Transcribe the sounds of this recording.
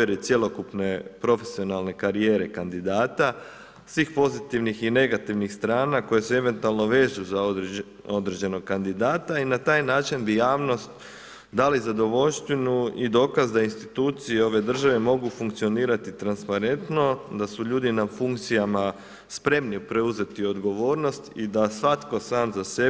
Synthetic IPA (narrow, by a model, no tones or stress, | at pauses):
ɾet̪sje̞lo̞kupne̞pɾo̞fe̞̥sio̞nalˠne̞kaɾije̞ːɾe̞kand̪id̪aːt̪a | sʋiːxpo̞zit̪iʋnixine̞ɡat̪iʋnixst̪ɾaːnako̞je̞see̞ʋe̞nt̪ualˠno̞ʋe̞ːzuzaod̪ | o̞d̪ɾed͡ʑe̞no̞ɡ̚kand̪id̪aːt̪ainat̪aːjnaːt͡ʃinbijaːʋno̞st̪ | d̪alizad̪o̞ʋo̞ʎst̪ʋinuid̪o̞ːkazd̪ainst̪it̪uːt̪sijeo̞ʋe̞d̪r̩ʒaʋe̞mo̞ɡufuŋkt̪sio̞niːɾat̪it̪ɾanspaɾe̞nt̪no̞d̪asuʎuːd̪inafuŋk̚t̪sijama | spɾe̞mniupɾe̞uze̞t̪io̞d̪ɡo̞ʋo̞ːɾno̞st̪id̪asʋat̪ko̞saːmzase̞